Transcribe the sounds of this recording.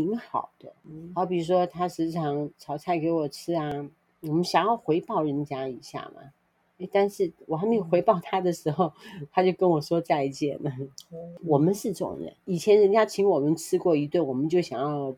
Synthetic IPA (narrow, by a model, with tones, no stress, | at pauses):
i˧˥ŋxɑ̰˨˩ʊd̪̥ə˦ɑ˧˥ʊpi˨ɻu˥ʂwɔ˥t̪ʰa˥ʂɻ̩˧˥ʈ͡ʂ̩ʰ˥˩ɑ˧˥ŋt͡sʰɑ˨˩ʊt͡sʰa˥˩ɪke˧˥ɪwɔ˨˩ʈ͡ʂʰɻ̩˥a˧ | wɔ˨˩mə˦nɕjɑ˨˩ŋjɑ˥˩ʊxwe˧˥ɪpɑ˥˩ʊɻə˧˥nt͡ɕja˥i˨˩ɕja̰˥˩mɐ̰˩ | e˥˧ɪt̪a˥˧nʂɻ̩˥˩wɔ˨˩a˥mi˥˩xwe˧˥ɪpɑ˥˩ʊt̪ʰa˥d̪ə˨ʂɻ̩˧˥xo˥˧ʊt̪ʰa˥t͡ɕjo˥˩ʊkə˥nwɔ˨˩ʂwɔ˥t͡sa˥˧ɪ˧˩t͡ɕjɛ˥˩nə˩wɔ˨˩mə˦nʂɻ̩˥˧ʈ͡ʂɤ˥˩ʊ̰˨ŋɻə̰˦ni˨˩t͡ɕʰjɛ˧˥nɻə˧nt͡ɕja˥t͡ɕʰi˧˥ŋwɔ˨˩mə˦nʈ͡ʂʰɻ̩˥kwɔ˥˩i˧˥t̪we˥˩wɔ˨˩mə˦nt͡ɕjo˥˩ʊɕjɑ˨˩ŋjɑ˥˩ʊ